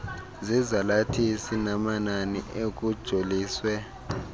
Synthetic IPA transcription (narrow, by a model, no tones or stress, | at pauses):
zizalatʰisinamananḭʔek̬ʼud̥ʒ̥ʱoliːswɛ